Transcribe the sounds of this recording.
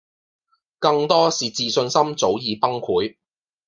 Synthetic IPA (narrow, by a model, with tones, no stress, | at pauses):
kɐ˧ŋt̪ɔː˥siː˨t͡siː˨˧sɵ˧nsɐ˥mt͡so˨˥wjiː˨pɐ˥ŋkʰuː˨˥j